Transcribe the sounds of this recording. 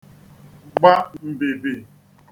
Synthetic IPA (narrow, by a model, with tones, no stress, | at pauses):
ɡ͡ba˦mm̩˨be˨be˨